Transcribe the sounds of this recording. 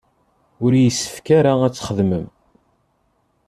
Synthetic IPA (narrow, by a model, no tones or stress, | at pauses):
ʊɾjəsːə̥fkaɾaæt͡sːχəðməm